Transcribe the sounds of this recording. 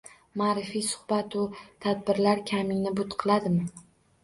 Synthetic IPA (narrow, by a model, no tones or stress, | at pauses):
maːɾɪfijsʊ̥hbat̪ʊt̪ʰad̪̚bɪɾlaɾkʲʰamɪŋnɪbʊt̪qʰɨlˠad̪ɪmɪ